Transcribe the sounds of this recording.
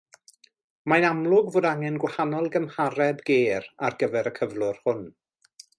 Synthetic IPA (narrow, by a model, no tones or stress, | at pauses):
majnamlˠʊɡvoːdaŋɛnɡwahanɔlˠɡəmhaɾɛbɡeːɾarɡəvɛɾəkʰəvlˠʊrhʊn